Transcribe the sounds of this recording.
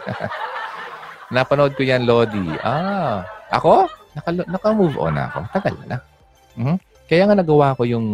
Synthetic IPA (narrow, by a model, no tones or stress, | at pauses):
napɐnood̪̚kojanloːd̪iʔa | ʔɐ̰ko̞nɐkɐlnɐkɐmuvʔo̰nɐ̰ʔɐ̰ko̞̰t̪ɐɡɐlɐ̰nɐ | m̩hm̩ | kɐjaːŋɐnɐɡɐwaːɐko̞jʊŋ